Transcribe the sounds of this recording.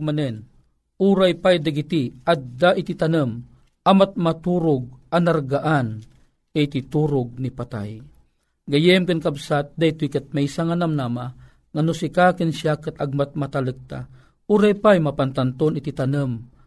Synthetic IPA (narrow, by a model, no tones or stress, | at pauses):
manən | uɾajpajd̪aɡit̪iʔad̪d̪aʔit̪it̪anəm | ʔamat̪̚mat̪uɾʊɡ̚anaɾɡaʔan | et̪it̪uɾʊɡ̚nipat̪a̰j | ɡajɛmkankabsat̪̚d̪ait̪uikɨt̪̚mɛjsaŋanamnama | ŋanusikakənʃjakɨt̪aɡ̚mat̪̚mat̪alək̚t̪a̰ | uɾajpajmapant̪ant̪onit̪it̪anɨm